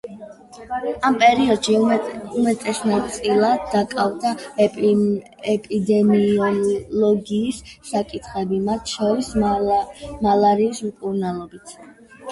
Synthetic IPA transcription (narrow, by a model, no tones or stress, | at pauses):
ampʼɛɾiɔd̪̥ʃiumɛt̪ʼɛsnatt̪sʼilˠad̪ːakʼavd̪a | ɛpʼid̪ɛmiɔlɔɡiːsːakʼit̪ʰχɛbimat̪ʰʃɔɾis | malˠaɾiːsukʼuɾnalˠɔbit̪ʰ